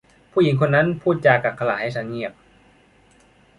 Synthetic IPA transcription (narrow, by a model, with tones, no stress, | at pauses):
pʰuː˥˩ji˩˦ŋkʰo˧nːa˦˥npʰuː˥˩t̪̚t͡ɕaː˧kːaː˨˩p̚kʰa˧laː˨˩˦ha˥˩jsa˧˦˥ŋŋi˥˩əp̚